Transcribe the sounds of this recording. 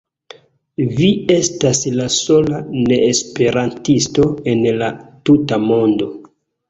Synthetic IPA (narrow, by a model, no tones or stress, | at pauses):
vie̞staslaso̞lane̞ːspe̞ɾantisto̞e̞nlatutamo̞ndo̞